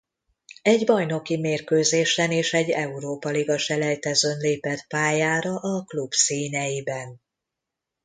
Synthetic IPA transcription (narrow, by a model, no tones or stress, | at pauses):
ɛɟbɒjno̞kimeːrkøːzeːʃɛneːʃɛɟːɛuɾoːpɒliɡɒʃɛlɛjt̪ɛzønleːpɛt̪paːjaːɾɒʔɒklubsiːnɛjibɛn